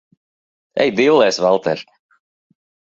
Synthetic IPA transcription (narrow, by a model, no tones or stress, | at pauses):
ɛ̰jb̪iwlˠɛːsvalˠt̪ʰɛ̰ɾ